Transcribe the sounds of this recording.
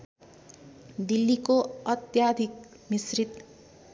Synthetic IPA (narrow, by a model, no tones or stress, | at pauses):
d̪ilːikoʌt̪jad̪ʱik̚ | misrit̪